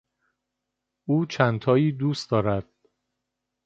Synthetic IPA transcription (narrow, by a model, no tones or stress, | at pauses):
ʔuːt͡ʃʰænt̪ʰɒːiːd̪uːsd̪ɒːɾæd̪̥̚